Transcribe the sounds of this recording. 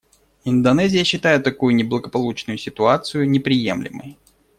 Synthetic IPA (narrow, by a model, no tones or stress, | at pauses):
ɪnd̪ɐnɛzʲɪjəɕːɪt̪ajɪt̪ːɐkujʊnʲɪblˠəɡəpɐlˠut͡ɕnʊjʊsʲɪt̪ʊat̪sɨjʊnʲɪpɾʲɪjḛmlʲɪ̰mə̰j